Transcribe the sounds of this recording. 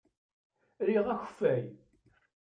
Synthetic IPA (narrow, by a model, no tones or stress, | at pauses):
ɾiʁæçə̥fːæj